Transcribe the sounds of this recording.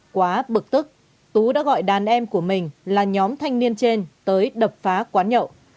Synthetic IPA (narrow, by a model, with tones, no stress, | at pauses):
kwaː˨˦ɓɨ˨˩k̚t̪ɨ˦˥k̚ | t̪u˨˦ɗa̰ː˧˥ɣɔ̰˧˨jɗaː˨˩nʔɛ˧mku˧˩əmï˨˩ŋ̟laː˨˩ɲɔ˨˦mt̪ʰa˧jŋ̟ni˧ənt͡ɕe˧nt̪əː˨˦jɗə˨˩p̚faː˨˦kwaː˨˦nɲə̰˧˨w